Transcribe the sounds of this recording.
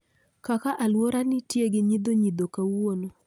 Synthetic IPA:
kakaʔalwoɾanɪtjeɡɪɲid̪oɲid̪okawono

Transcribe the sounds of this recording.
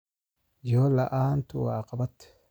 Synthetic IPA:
joːlɐʔaːnt̪ʊwaːqʼɐbɐt̪ː

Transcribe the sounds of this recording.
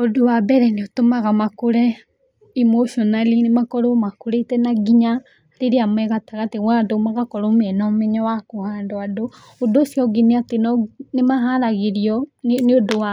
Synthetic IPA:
odowabɛɾɛneotomaɣamakoɾɛ | imoʃiɔnalinemakɔɾomakoɾetɛnaɡiɲa | teɾeamwɛɣataɣateɣwadomaɣakɔɾomɛnɔmɛɲɔwakohaːndoado | odosiɔɡiniatenɔnemaɦaɾaɣeɾiɔneodowa

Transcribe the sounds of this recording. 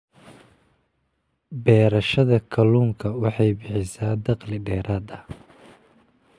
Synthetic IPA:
bɛːɾɐʃɐðɐkʰɐluːŋkʰɐwɑħɑjbɪħɪsaːd̪ɑqlɪɖɛːɾaːd̪ɐ

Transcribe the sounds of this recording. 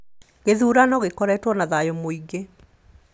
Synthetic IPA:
ɣeðuːɾanɔɣekɔɾɛtwɔnaðajomoiɡe

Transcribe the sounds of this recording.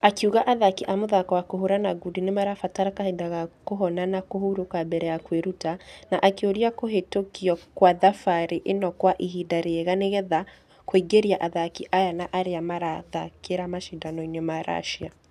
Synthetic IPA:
akeuɣaʔaðakiʔamoðakawakoɦoɾanaɡudinemaɾafataɾakahendaɣakoɦɔnanakohuɾokabɛɾɛjakweɾutanaʔakeoɾiakoɦetokiɔkwaðafaɾeʔenɔkwaʔiɦidaɾeeɣaneɣɛða | kwoiɡeɾiaʔaðakiʔajanaʔaɾeamaɾaðakeɾamaʃidanɔinɔmaɾa̰ʃia

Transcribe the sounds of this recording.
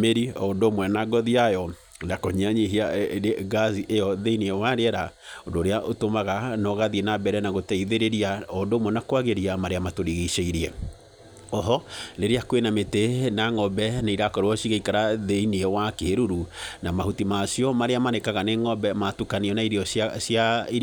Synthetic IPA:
meɾiɔondomwɛnaɡɔðiajɔ | nakoɲiaɲiɦiaɡaziʔejɔðeiniɛwaɾeɛɾaondoːɾeaʔotomaɣanɔɣaðienabɛɾɛnaɣotɛiðeɾeɾiaɔndomwɛnakwaɣeɾiamaɾeamatoɾiɣiʃeiɾiɛ | ɔɦɔɾeɾeakwenametenaŋɔbɛnaiɾakɔɾeɔʃiɣaikaɾaðeiniɛwakeɾuɾunamahutimasiɔmaɾeamanekaɣaneŋɔbɛmatukaniɔnaiɾiɔsjaiɾ

